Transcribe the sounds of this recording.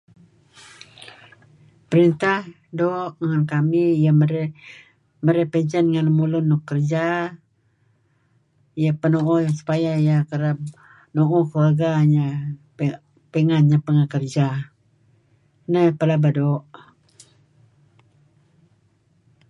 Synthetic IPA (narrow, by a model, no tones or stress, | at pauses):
pəɾint̪ah | doʔŋankamijaməɾ | məɾəpɛɲd͡ʒənŋanləmulʊnːɔkːərd͡ʒa | ijapənoʔɔjaŋsu̥pajaijakəɾap̚ | noʔɔkəluarɡaɲa | pəŋanɲapəŋakərd͡ʒa | nəpəlabadoʔ